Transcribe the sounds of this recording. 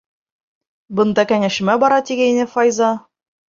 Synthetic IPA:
bɤ̆nd̪ɑkæŋæʃɘ̆mæbɒɾɑt̪iɡæinɘfɑjzɑ

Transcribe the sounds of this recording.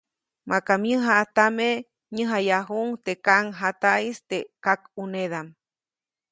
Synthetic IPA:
makamjɨɦaʔt̪ame | ɲɨɦajaɦuŋt̪ekaŋɦat̪aist̪ekakuneðam

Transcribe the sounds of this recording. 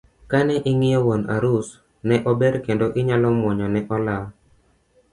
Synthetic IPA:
kanɛʔɪŋɪjɔwona̰ɾus | nɛʔɔbɛɾkendoʔɪɲalɔmwɔɲɔnɛʔɔla

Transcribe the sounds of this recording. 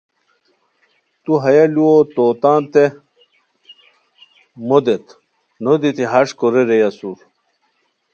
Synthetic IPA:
t̪uɦɐjɐluot̪oːt̪aːnt̪e | mod̪et̪ | nod̪it̪iɦɐʂkoɾeɾejɐsuɾ

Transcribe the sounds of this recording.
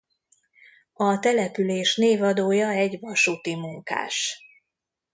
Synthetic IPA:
ɒt̪ɛlɛpyleːʃneːvɒd̪oːjɒɛɟvɒʃuːt̪imuŋka̰ːʃ

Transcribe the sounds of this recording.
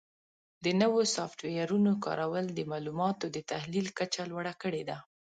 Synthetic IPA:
d̪ənəwosɑfʈwejaɾunokɑ̰ɾʔawəld̪əmɑlumɑt̪od̪ət̪ahlilkat͡ʃalwaɽakəɽed̪a

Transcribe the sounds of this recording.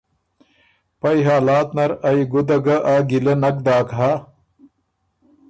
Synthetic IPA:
pɐjɦaːlaːt̪nɐɾɐiɡud̪ɐɡɐʔaɡilenɐk̚d̪aːkɦa

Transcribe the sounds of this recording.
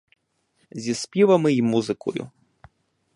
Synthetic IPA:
zʲispʲivɐmɨimuzɨkṵjṵ

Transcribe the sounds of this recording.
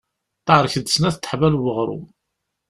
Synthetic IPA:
t̪ːəʕɾˤəçəd̪əsnæθt̪ːə̥ħvælwəʁɾˤṵ

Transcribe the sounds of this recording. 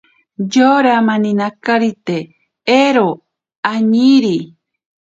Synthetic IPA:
d͡ʒoɾamãnĩnakaɾit̪e | eɾo | aɲiɾi

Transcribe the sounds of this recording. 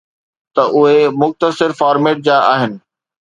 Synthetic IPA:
t̪ɐʔʊɦemʊxt̪əsɪɾfaːɾmeːʈ̚d͡ʑaːʔaːɦɪnɪ̆

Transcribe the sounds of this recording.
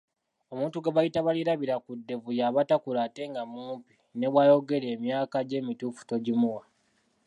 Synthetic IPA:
o̞muːntuɡaβajitaβaliɾaβiɾakudːe̞vujaβatakulaːte̞ŋɡamuːmpi | ne̞βwajo̞ɡe̞le̞ːmjaːkaɟe̞ːmitufu̥to̞ɟimuwa

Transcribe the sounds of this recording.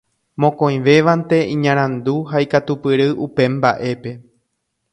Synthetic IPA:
mõ̞kõ̞j̃ʋe̞ʋant̪e̞ĩɲãɾ̃ãnd̪uɦaikat̪upɨɾɨʔupe̞mba̰ʔe̞pe̞

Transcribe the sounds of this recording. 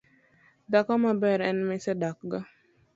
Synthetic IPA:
dakamabɛɾɛnmɪsɛdakɡa

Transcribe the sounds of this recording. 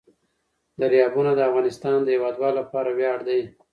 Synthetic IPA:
d̪əɾjɑbunad̪əafɣɑnɪst̪ɑnd̪əjewɑd̪wɑllapɑɾawjɑɽd̪aj

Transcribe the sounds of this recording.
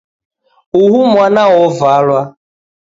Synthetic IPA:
uɦumʷanaɔvalwa

